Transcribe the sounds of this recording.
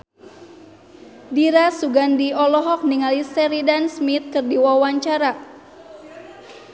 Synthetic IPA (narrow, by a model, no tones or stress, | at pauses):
diɾasuɡandiɔlɔɦɔk̚niŋalisɛɾidansmit̪̚kɨrdiwawaɲt͡ʃaɾa